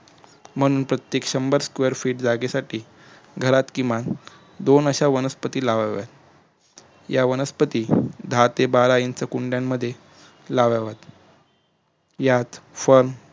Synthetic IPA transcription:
m̤əɽ̃uːnpɾət̪jekɕəmbəɾskʋeɾfiːʈd͡zaɡesaʈiː | ɡʱəɾat̪kĩʋan | d̪onəɕaʋənəspət̪iːlaʋaʋja̰t̪ | jaʋənəspət̪iːd̪ʱat̪ebaɾajint͡səkuɳɖjamːəd̪ʱːje | laʋaʋat̪ | jat̪fəɾm

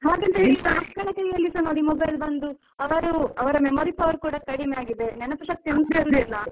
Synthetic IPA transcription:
ɦaːɡɐnt̪eiiakɐɳɐkɐjiɐlːisɐɾnoːɽimobɐjlbɐnd̪u | ɐʋɐɾuɐʋɐɾɐmemoːɾipɐʋɐɾukuːɽɐkɐɽimejaːɡid̪enɛnɐpɐʂɐk̚t̪imɡsɐɾud̪ilːɐ

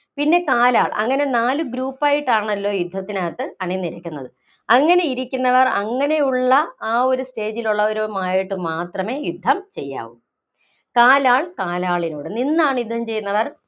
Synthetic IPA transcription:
pinːe̞kaːlaːɭɐ̰ŋːɐne̞naːlɨɡɾuːpːaːjiʈːaːɳɐlːo̞ːjud̪ʱːɐt̪ːinaːt̪ːɨɐɳinːiɾɐkʲːunːɐðɨ | ɐŋːɐne̞iɾikʲːunːɐʋɐrɐŋːɐne̞juɭːɐaːo̞ɾuste̞ːd͡ʑiluɭːɐʋoɾumaːjiʈːɨmaːt̪rɐme̞ːjud̪ʱːɐmt͡ɕe̞jːa̰ːʋum | kaːlaːɭkaːlaːɭinuːɽɨninːaːɳɨjud̪ʱɐmt͡ɕe̞jːunːɐʋɐr

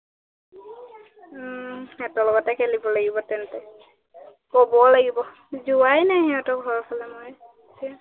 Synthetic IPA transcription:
ɛtɔlɔɡɔtɛkelibɔlaɡibɔt̪ɛntɛ | kɔbɔlaɡibɔ | d͡ʒuajnaɦĩɔtɔɡʱɔɹkʰɔlɛmɔj | sʰ

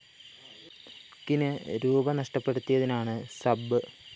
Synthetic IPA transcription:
kːinɨɾuːbɐnɐʂʈɐpːeɽut̪ːijɐðinaːɳɨsɐbːɨ

